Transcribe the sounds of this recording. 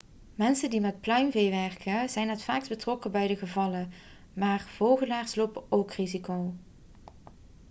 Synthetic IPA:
mɛnsəndimɛt̚plœɥmvejʋɛɹkʰəzɛjnɦətfaːksbətrɔkəbɛjdəɣəvɑlə | maːrv̥owˠɣəlaːɹslowpəowkrizikow

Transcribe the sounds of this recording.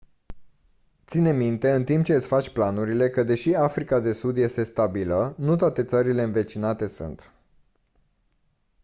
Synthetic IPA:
t̪sine̞mint̪e̞ɨnt̪imp̚t͡ʃe̞ɨt̪sʲfat͡ʃʲplanuɾile̞kəd̪e̞ʃiafɾikad̪e̞sud̪je̞st̪e̞st̪abilənut̪oat̪e̞t̪səɾile̞ɨnve̞t͡ʃinat̪e̞sṵnt̪

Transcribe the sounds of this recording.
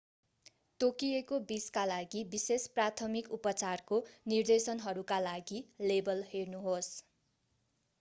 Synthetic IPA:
t̪okiekobiskalaɡibisesprat̪ʰʌmikupʌt͡sarkonird̪esʌnɦʌɾukalaɡilebʌlhernuɦos

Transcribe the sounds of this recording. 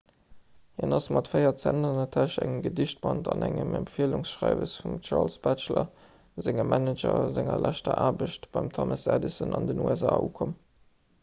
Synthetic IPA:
hinɑsmɑtfɜɪɐt͡sændənɐtʰæʃæŋəɡədiʃt̚b̥ɑntɑnæŋəmæmpfiəlʊŋsʃʁaɪvəsfumt͡ʃɑːlsb̥æt͡ʃlɐ | zɪŋəmʔænəd͡ʒɐzæŋɐlʔæʃtɐʔaːbəʃtb̥ɑɪmtʰomɑsædisənɑndənuɛzaːuːkʰom

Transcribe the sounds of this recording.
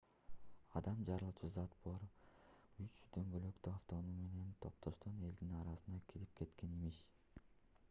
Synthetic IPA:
ɑd̪ɑmd͡ʒɑɾɯlˠt͡ʃʰuzɑt̪̚bo̞ɾ | yt͡ʃd̪̥ø̞ŋɡølø̞kt̪yaft̪o̞nume̞ne̞nt̪ʰo̞p̚t̪ʰo̞ʃt̪one̞ld̪inɑɾɑsɯnɑkʰilip̚kʰe̞t̪ke̞nimiʃ

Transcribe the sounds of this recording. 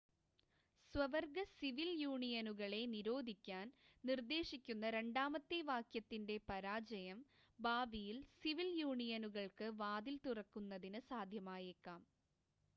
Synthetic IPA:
swɐʋɐrɡɐsiʋiljuːɳijɐnuɣɐɭe̞niɾo̞ːd̪ʱikʲːaːnnird̪e̞ːʂikʲːunːɐɾe̞ɳɖaːmɐt̪ːeʋaːkjɐt̪ːinde̞pɐɾaːd͡ʑɐjɐm | baːbijilsiʋiljuːɳijɐnuɣɐɭkɨʋaːd̪ilt̪urɐkːunːɐðinɨsaːd̪ʱjɐmaːjekːaːm

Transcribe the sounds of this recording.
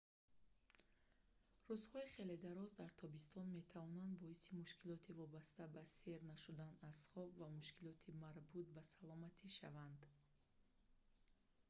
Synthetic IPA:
ruzhɔiχe̞le̞d̪aɾɔzd̪aɾt̪ʰɔbist̪ʰɔnme̞t̪ʰavɔnand̪bɔisimuʃkʰilɔt̪ʰivɔbast̪abase̞ɾnaʃud̪anazχɔbvamuʃkʰilɔt̪ʰimaɾbut̪̚basalɔmat̪ʰiʃa̰vand̪

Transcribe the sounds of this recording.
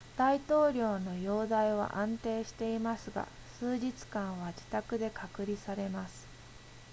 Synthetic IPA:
d̪̥ait̪o̞ːɾʲo̞ːno̞jo̞ːd̪aiβ̞a̰ʔãnt̪e̞ːɕi̥t̪e̞imasɨɡa̰ | sɨːʑit͡sɨ̥kãɰ̃β̞ad͡ʑi̥t̪akɯ̟d̪e̞kʰakɯ̟ɾʲisaɾe̞masɨ̥

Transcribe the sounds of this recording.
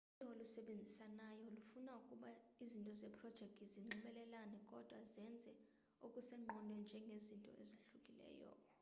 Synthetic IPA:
utʰʼɔolusɛɓend͡zʱisanajɔlufunaukʼuɓaizintʼɔzɛpʰrɔd̥ʒ̥ʱɛk̚tʰʼiziŋ͡ǁiɓɛlɛlanɛkʼɔd̥ʱwazɛnd͡zʱɛ | ukʼusɛŋ͡ǃɔnwɛnd͡ʒʱɛŋɡʱezintʼɔ̰ɛ̰zaɬukʼilɛ̰ːjɔ̰

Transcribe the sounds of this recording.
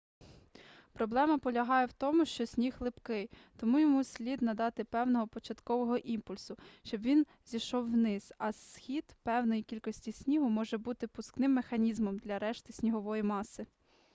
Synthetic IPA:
pɾɔblˠɛmɐpɔlʲɐɦɑjɛwt̪ɔmʊʃt͡ʃɔsʲnʲixlˠɪpkɪj | t̪ɔmujɔmusʲlʲid̪nɐd̪ɑt̪ɪpɛwnɔɦɔpɔt͡ʃɐt̪kɔʋɔɦɔʔimpʊlʲsʊʃt͡ʃɔbʋʲin | zʲiʃɔwːnɪz̥ɐsxʲid̪pɛwnɔjikʲilʲkɔsʲtʲisʲnʲiɦʊmɔʒɛbut̪ɪpʊsknɪmːexɐnʲizmɔmd̪lʲɐɾɛʃt̪ɪsʲnʲiɦɔʋɔjimɑsɪ

